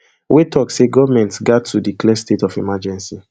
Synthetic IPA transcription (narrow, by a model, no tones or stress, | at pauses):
wetʰɔkseɡɔvamɛ̃ntsɡatʰːudiklɛ̃stetɔfimad͡ʒɛ̃nsi